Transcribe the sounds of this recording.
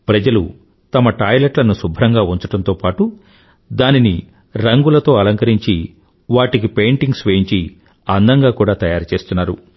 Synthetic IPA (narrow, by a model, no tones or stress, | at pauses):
pɾɐd͡ʒɐlṵ | t̪ɐmɐʈaːjleʈlɐnusubʱɾɐŋɡaːuɲt͡ʃuʈɐnt̪o̞ːpaːʈu | d̪aːnini | ɾɐŋɡulɐt̪o̞ːɐlɐŋkɐɾiɲt͡ʃi | ʋaːʈik̬ipe̞ːɳʈiŋɡsʋeːiɲt͡ʃi | ɐnd̪ɐŋɡaːkuːɽaːt̪ɐjaːɾɐt͡ʃe̞ːst̪unːaːɾṵ